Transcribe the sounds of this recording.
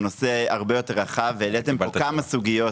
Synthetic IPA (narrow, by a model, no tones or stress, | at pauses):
no̞se̞aʁbe̞jo̞te̞ʁaχavːeːlet̪emokamasuɡijo̞